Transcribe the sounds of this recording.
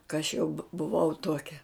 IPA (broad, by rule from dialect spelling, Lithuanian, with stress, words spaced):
kɐ ɐʃ jɛʊ bʊ bʊˈʋɐʊ ˈtuɔkʲɛ